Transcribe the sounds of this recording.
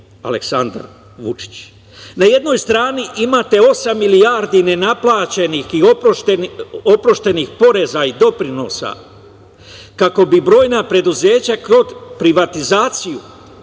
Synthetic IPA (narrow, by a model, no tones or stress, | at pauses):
a̰leksand̪a̰ɾ | ʋut͡ʃi̥t͡ɕ | naje̞d̪no̞jst̪ɾaːniʔimaːt̪e̞o̞samːilijaːɾd̪ine̞naplˠaːt͡ɕe̞nixiooeo̞pɾo̞ʃt̪e̞nixpo̞ɾe̞zaid̪o̞pɾino̞ːsa̰ | kako̞bibɾo̞ːjnapɾe̞d̪uze̞ːt͡ɕakɾo̞d̪pɾiʋat̪izaːt̪siju